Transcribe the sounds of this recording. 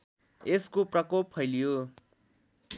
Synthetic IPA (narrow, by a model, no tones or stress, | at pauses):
eskoprʌkopɦʌjlijo